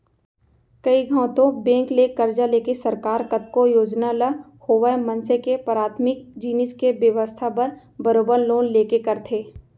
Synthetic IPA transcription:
kɐiɡʱãːt̪õbẽːŋklekɐɾd͡ʒaleːkesɐɾkaːɾkɐt̪̚kojoːd͡ʒnalə | hoːʋamə̃nsekepɾaːt̪ʰmɪk̚d͡ʒiːnɪskebjəʋəst̪ʰapɐɾ | bəɾoːbəɾloːnleːkekɐɾt̪ʰeː

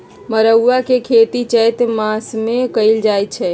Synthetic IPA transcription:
məɾəwːakekʰet̪it͡ʃəjt̪masmekəɪld͡ʒajt̪t͡ʃʰɛ

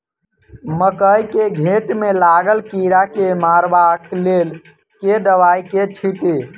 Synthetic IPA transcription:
məkəjkeɡʱeʈmelaɡəlkiɾakemaɾbaklel | ked̪əʋajket͡ʃʰiʈe

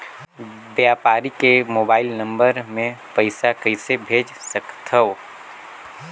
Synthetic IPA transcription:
bjaːpaːɾikemoːbaːɪlnə̃mbəɾmẽpəɪsakəɪsebʱeːd͡ʒsəkt̪ʰəo

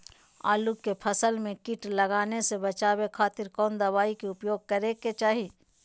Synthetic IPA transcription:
a̰ːlukːepʰɐsəlmẽkɪʈlɐɡaːnesebɐt͡ʃaːwekʰaːt̪ɪɾkɔːnd̪ɐʋaːikeʊpjoːɡ̚kɐɾeket͡ʃaːɦi

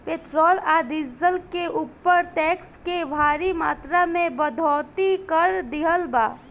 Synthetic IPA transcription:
pet̪ɾɔlad̪izəlkeʔupːəɾʈɛkskeʋʱaɾima̰t̪ɾamebəd̪ʱɔt̪ikəɾd̪iɦəlba

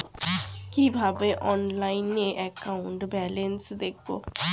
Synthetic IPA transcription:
kibʱabeʔɔnlaineʔɛkauɳʈbɛlensd̪ek̚ʰbo̰

